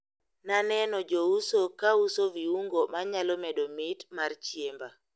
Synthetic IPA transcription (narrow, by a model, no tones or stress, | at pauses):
nanɛnɔd͡ʒousokausoviuŋɡomaɲalɔmɛdomitmaɾt͡ʃjemba